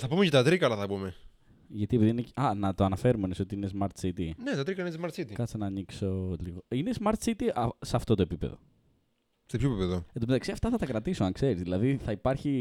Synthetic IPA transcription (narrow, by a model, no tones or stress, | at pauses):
θɐpumecet̪ɐt̪ɾikɐlɐθɐpume | ʝɐt̪iepiðiinecɐnɐt̪oɐnɐfe̞ɾumeneso̞t̪iinezmɐɾt̪sit̪inet̪ɐt̪ɾikɐlnizmɐɾt̪sit̪ikɐt͡ssenɐːnikso̞liɣoinezmɐɾt̪sit̪iʔɐseɐft̪o̞t̪oepipḛðo̞̰ | sepçoepipeðod̪omeɐksiɐft̪ɐθɐt̪ɐkɾɐt̪isoɐŋkse̞ɾizðilɐðiθɐipɐɾçi